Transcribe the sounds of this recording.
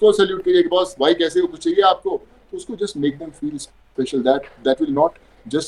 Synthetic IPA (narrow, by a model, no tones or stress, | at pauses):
kosɛljuːʈ̚kɐɾiekebaːsbʱaːikɛːseokʊt͡ʃʰt͡ʃaɦieaːp̚ko | t̪oʊskod͡ʒɐsʈmeːk̚d̪ɛ̃mfiːls | pɛʃəld̪æʈ̚d̪æʈʋɪlnɔːʈ | d͡ʒɐs